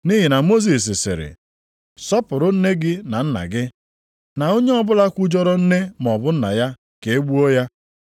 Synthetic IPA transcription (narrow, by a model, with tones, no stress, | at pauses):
ni˦ɦi˨na˨mo˦s̬i˨s̬ɪ˨sɪ̰˨ɾɪ̰˨ | sɔ˦pʊ˨ɾʊ˦n̩˦ne˦ɡɪ˦na˨n̩˦na̰˨ɡɪ˦ | na˨o˦ɲe˦ɔ˦bʊ˦la˦kʷu˦d͡ʒɔ˦ɾɔ˦n̩˦ne˦mɔ˨bʊ˦n̩˦na̰˨ja˦ | ke˨e˦ɡ͡bu˦ɔ˦ja˦